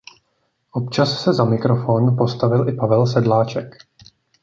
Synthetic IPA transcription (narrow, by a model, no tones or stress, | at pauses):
ʔo̞pt͡ʃassɛzamɪkɾo̞fo̞ːnupo̞st̪avɪlʔɪpavɛlsɛdlaːt͡ʃɛk